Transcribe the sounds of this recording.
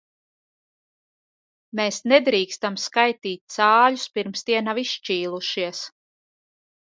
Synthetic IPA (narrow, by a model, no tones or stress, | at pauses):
meːsnɛd̪ɾiːkst̪amskajt̪iːt̪̚ʲt̪saːlʎʊspiɾmst̪iɛnaviʃt͡ʃiːlˠuʃiɛs